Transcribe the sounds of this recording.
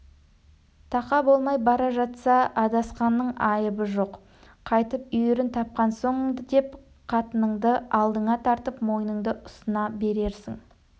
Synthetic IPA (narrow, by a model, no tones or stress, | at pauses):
t̪ʰɑqɑbo̞lˠmɑjbɑɾɑʒɑt̪sɑɑd̪ɑsqɑnːəɴɑjəbəʒo̞q | qʰɑjt̪əp̚ʏjeɾɪnt̪ʰɑp̚qɑnso̞ɴd̪əd̪e̞p | qʰɑt̪ənəɴd̪əɑlˠd̪əɴɑt̪ʰɑɾt̪əpmo̞jənəɴd̪əʔʊsənɑbe̞ɾe̞ɾsɪŋ